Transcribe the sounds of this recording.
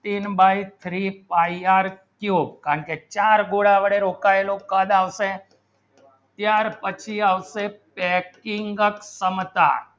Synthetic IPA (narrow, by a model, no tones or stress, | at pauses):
t̪inbajt̪ʰɾipaiaɾkjubkaɾəɳket͡ʃaɾɡoɽaʋəɽeɾokaelokəd̪aʋse | t̪jaɾpət͡ʃʰiaʋsepɛkiŋɡəksəmt̪a̰